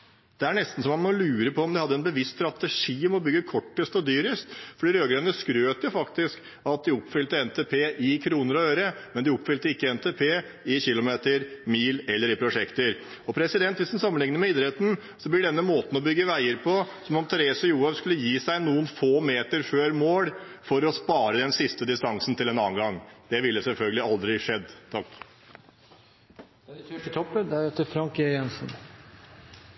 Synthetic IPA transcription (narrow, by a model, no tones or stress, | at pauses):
d̪̥ɛæɳɛst̪n̩sɔmɑnmɔlʉːɾəpʰɔɔmd̪ɪhɑd̪ːəɛnbəʋɪst̪st̪ɾɑt̪əʂiːɔmɔbʏɡːəkʰɔʈːəst̪ɔd̪yːɾəst̪fɔɖiːɾøːɡɾenəskɾøːt̪jʊfɑkt̪ɪsk | ɑt̪̚d̪ɪɔpːfʏlt̪əɛnt̪ʰeːpʰeːʔɪkʰɾuːnəɾɔøːɾəmɛnd̪ɪɔpːfʏlt̪əɪkːəɛnt̪ʰeːpʰeː | ɪçɪlʊmeːt̪əɾmiːlɛlːəɾɪpʰɾʊʂɛkt̪əɾ | ɔpʰɾɛsɪd̪ɛnt̪ʋɪsd̪ɛnsɑmːənlɪŋnəɾmɛiːd̪ɾɛt̪n̩ | sɔblɪɖɛnːəmoːt̪n̩ɔbʏɡːəʋæɪəɾpʰɔsɔmɔmt̪ʰɛɾeːsɔjuːɛʋskʉlːəjiːsæɪnuːənfoːmeːt̪əɾføːɾmoːɽfɔɾɔspɑːɾəd̪ɛnsɪst̪əd̪ɪst̪ɑŋsn̩t̪ʰɪlɛnɑːənɡɑŋːd̪̥ɛʋɪlːəsɛlfœlɡəlɪɑld̪ɾɪʂɛd̪ːt̪ʰɑkː | æøkət̪ʰɔpːəd̪æeːt̪əfɾɑŋkejɛnsn